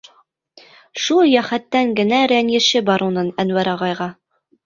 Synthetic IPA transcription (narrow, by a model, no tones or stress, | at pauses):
ʃulˠjæχæt̪ːæŋɡɘ̆næɾænjɘ̆ʃɘbɑɾunɤnænwæɾɑʁɑjʁɑ